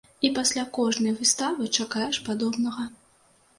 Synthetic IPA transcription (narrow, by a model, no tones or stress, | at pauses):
ipasʲlʲakɔʐnɐjvɨst̪avɨt͡ʂakajɛʂpad̪ɔbnɐɣɐ